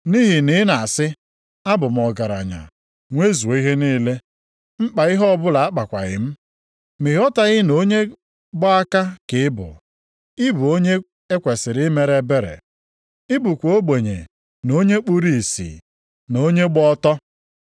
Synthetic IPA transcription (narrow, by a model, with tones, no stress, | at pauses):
ni˦ɦi˨nɪ˦na˨sɪ˦ | a˦bʊ˨m̩˨ɔ˨ɡa˨ɾa̰˨ɲa̰˨ | ŋʷe˦zu˨˦i˦ɦe˦niː˦le˦ | ŋ͡m̩˦k͡pa˨ɪ˦ɦɔ˦bʊ˦la˨a˦k͡pa˨kʷa̰˨ɣɪ̰˦m̩˦ | mi˨ɦɔ˦ta˨ɣɪ˦no˦ɲe˦ | ɡ͡bɔ˦a˦ka˦kɪ˨ɪ˦bʊ̰˨ | ɪ˦bu˨o˦ɲe˦ | e˦kʷe˨sɪ˨ɾɪ˦me˨ɾe˦be˦ɾḛ˨ | i˦bu˨kʷo˦ɡ͡be˨ɲḛ˨ | no˦ɲe˦k͡pu˦ɾi˦˨sḭ˨ | no˦ɲe˦ɡ͡bɔ˦tɔ˦